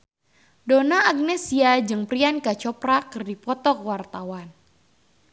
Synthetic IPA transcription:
donaːɡ̚nɛsiad͡ʒɨŋpɾiankat͡ʃɔpɾakɨrdipɔt̪ɔkwart̪awan

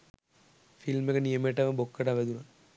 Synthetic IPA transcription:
filmekənijəmeʈːɐʋəbokːəʈaʋæd̪una

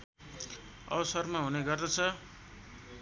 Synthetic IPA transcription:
ʌ̰ʌsʌrmaɦuneɡʌrd̪ʌt͡sʰʌ

